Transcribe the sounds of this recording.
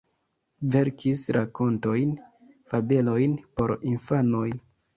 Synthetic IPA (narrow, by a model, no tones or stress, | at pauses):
ve̞ɾkʰisɾʔako̞nto̞jn | fabe̞lo̞jnpo̞ɾinfano̞j